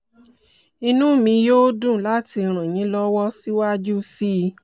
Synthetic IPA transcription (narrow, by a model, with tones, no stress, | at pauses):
i˧nũ˦˨mĩ˧jo˦dũ˦˨la˦ti˧ɾ̃ũ˨j̃ĩ˨˦lɔ˦wɔ˦si˦wa˦d͡ʒu˦si˦